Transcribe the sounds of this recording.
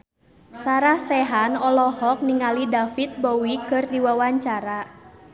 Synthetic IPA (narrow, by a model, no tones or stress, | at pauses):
saɾahsɛɦanɔlɔhɔk̚niŋalidafit̪̚bɔwikɨrdiwawaɲt͡ʃaɾa